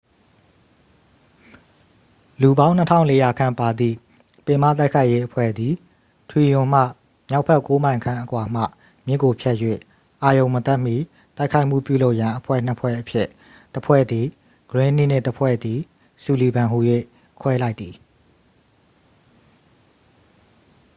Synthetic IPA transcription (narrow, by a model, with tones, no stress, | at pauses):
lu˨bã˦ʊ̃n̥ə˦tʰã̰˦ʊ̃le˦ja˨kʰã˦˨mpa˨d̪ḭ˦˨ | pɪ̃˨mä̰˦˨t̪̬a˦ɪkʰa˦ɪʔje˦ʔəpʰwɛ̰˦˨d̪i˨ | tʰwi˨jʊ̃˨m̥ä̰˦˨ | mja˦ʊʔpʰɛ˦ʔko˦mã˨ɪ̃ŋkʰã˦ʔəkwa˨m̥ä̰˦˨ | mjɪ˦kːo˨pʰjɛ˦ʔjwḛ˦˨ | ʔa˨jõ˨ʊ̃mət̪ɛ˦ʔm̥ḭ˦˨ | t̪a˦ɪkʰa˦ɪʔm̥ṵ˦˨pjṵ˦lo˦ʊʔjã˨ʔəpʰwɛ̰˦˨n̥əpʰwɛ̰˦˨ʔəpʰjɪ˦˨ʔ | təpʰwɛ̰˦˨d̪i˨ | ɡ̥əɹɪ̃˦n̥i˦˨n̥ɪ̃˦˨təpʰwɛ̰˦˨d̪i˨ | su˨li˨bã˨ɦu˨jwḛ˦˨ | kʰwɛ˦la˦ɪt̪̚ːi˨